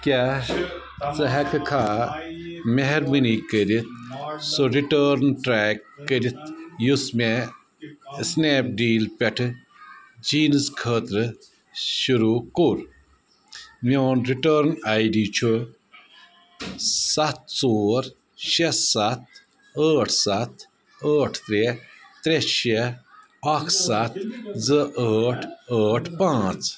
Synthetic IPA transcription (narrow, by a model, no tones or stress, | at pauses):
kʲa | t͡sɐɦɐkɨkʰaː | meɦeɾmɨniːkəɾit̪̚soɾiʈəːɾnʈɾeːkːəɾit̪jusme | sneːp̚ɖiːlpʲeʈʰɨ | d͡ʒiːnskʰəːt̪ɾɨ | ʃuɾukuɾ | moːnɾiʈəːɾnajɖit͡ʃʰu | sɐt̪̚t͡soːɾ | ʃessɐt̪̚ | əːʈʰsɐt̪ʰ | əːʈʰt̪ɾet̪ɾeʃe | ɐkʰsɐt̪ʰzɨʔəːʈʰəːʈʰpãːt͡s